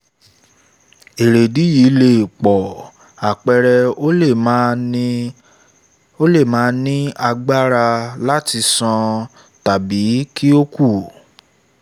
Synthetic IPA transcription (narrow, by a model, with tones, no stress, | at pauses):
e˨ɾe˨di˨˦ji˨˦le˦˨k͡pɔ˨ | a˨k͡pɛ˧ɾɛ˧˦ | o˦le˦˨mãː˨˦nĩ˦a˧ɡ͡ba˦ɾa˧la˦ti˧sɔ̃˧ | ta˨bi˨˦kʰi˦o˦ku˦˨